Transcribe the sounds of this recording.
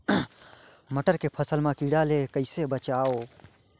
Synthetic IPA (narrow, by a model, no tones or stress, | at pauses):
məʈəɾkepʰəsəlmãkiɖaːlekəɪsebət͡ʃaːoː